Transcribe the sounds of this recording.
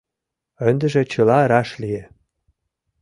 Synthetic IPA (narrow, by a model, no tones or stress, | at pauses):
ə̆nd̪ə̆ʒĕt͡ɕə̆lɑɾɑʃlie